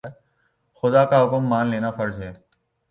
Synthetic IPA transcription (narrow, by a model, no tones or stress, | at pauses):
xʊd̪akaɦʊkmːaːnleːnafəɾd͡ʒɦɛː